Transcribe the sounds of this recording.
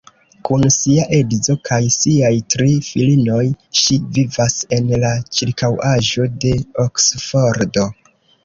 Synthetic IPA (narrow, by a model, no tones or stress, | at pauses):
kunsiaʔe̞dzo̞kʰajsiajtɾifilino̞jʃivivase̞nlat͡ʃiɾkawaʒo̞de̞oksfo̞ɾdo̞